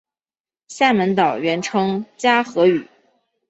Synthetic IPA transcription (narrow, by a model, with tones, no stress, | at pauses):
ɕja˥˩mə˧˥nt̪ɑ˨˩ʊɥɛ˧˥nʈ͡ʂʰɤ˥ŋt͡ɕja˥xɤ˧˥y˨˩˦